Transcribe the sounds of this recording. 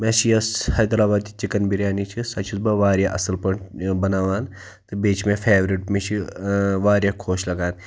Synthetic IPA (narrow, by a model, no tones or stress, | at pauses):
mẽʃijɐshɐjd̪ɐɾaːbaːd̪it͡ʃikɐnbiɾʲjaːnit͡ʃʰisɐt͡ʃʰisbɐʋaːɾʲjaʔɐsɐlpɐɳbɐnaːʋaːn | t̪ɨbeːt͡ʃmefʰeːʋɾiʈmet͡ʃʰiʋaːɾjakʰoːʃlɐɡaːn